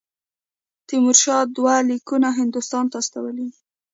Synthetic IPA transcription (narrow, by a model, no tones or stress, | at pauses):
t̪imʊɾʃɑd̪walikunaɦɪnd̪ʊst̪ɑnt̪aːst̪awəli